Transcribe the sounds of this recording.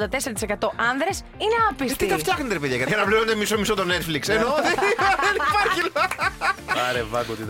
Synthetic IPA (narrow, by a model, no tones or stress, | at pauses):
d̪ɐt̪e̞seɾɐt̪i̥sekɐt̪o̞ʔɐnðɾes | ineɐpist̪iit̪ɐfɐxnet̪epeðʝɐkɐt̪kɐnɐpliɾond̪emisomisot̪one̞t̪fliksenoðeðenipɐɾçilɐ | ɐɾevɐɡot̪it̪